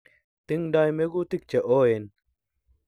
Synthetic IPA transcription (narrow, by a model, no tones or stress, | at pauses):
t̪iŋɖaːjmeɡut̪ik̚t͡ɕeʔoːen